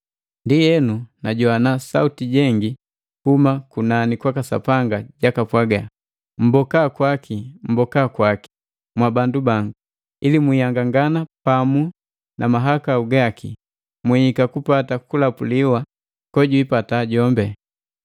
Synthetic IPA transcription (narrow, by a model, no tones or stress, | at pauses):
ndijɛnunaɟɔanasa̰utiɟɛŋɡi | humakunanikwakasa̰paŋɡaɟakapwaɡa | m̩bɔkakwakʰim̩bɔkakwaki̥ | mwabandubaŋɡu | ilimwijaŋɡaŋɡanapamu | nʔamaɦakauɡaki | mwiikakupatakulapuliwa | kɔɟuipataɟɔmbɛ